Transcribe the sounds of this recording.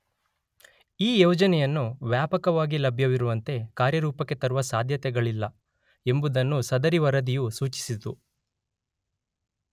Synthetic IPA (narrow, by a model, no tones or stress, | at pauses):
iːjɛːd͡ʒɐnɛjɐnːuʋjaːpɐkɐʋaːɡilɐbʱjɐʋiɾuʋɐnt̪e̞kaːɾjɐɾuːpɐkːe̞t̪ɐɾuʋɐsaːd̪ʱjɐt̪ɛɡɐɭilːɐ | e̞mbud̪ɐnːusɐd̪ɐɾiʋɐɾɐd̪ijusuːt͡ʃi̥sit̪u